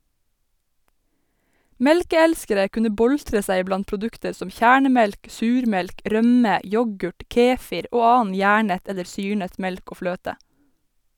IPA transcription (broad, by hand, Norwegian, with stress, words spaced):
ˈmɛlkəˌælskəɾə ˈkʉnə ˈbɔltɹə ˈsæɪ ˈblɑn pɾʊˈdʉktəɹ ˈsɔm ˈçæːɳəˌmɛlk ˈsʉːɾˌmɛlk ˈɾœmə ˈjɔɡʉʈ ˈkeːfɪɾ ˈoː ˈɑːɑn ˈjæːɳət ˈɛləɾ ˈsyːɳət ˈmɛlk ˈoː ˈfløːtə